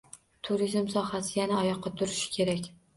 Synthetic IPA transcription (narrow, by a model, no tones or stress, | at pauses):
t̪ʰʊɾizmsɒhasɪjanaːjɒqʰːɑt̪ʰʊɾɪʃɪ̥kʲʰe̞ɾakʲ